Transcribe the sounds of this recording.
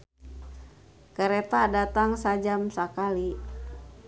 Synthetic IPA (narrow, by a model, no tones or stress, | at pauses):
kəɾɛt̪adat̪aŋsad͡ʒamsakali